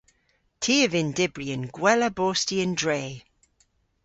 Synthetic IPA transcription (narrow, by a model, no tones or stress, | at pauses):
tʰiːəvɪ̃ndɪbɹiə̃nɡwɛləboːstiə̃ndɹeː